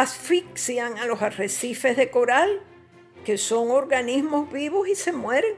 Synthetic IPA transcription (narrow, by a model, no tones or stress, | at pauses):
asfiksjaŋalo̞saresife̞zðe̞ko̞ɾal | ke̞so̞ŋo̞ɾɣanizmo̞zβiβo̞sise̞mwe̞ɾeŋ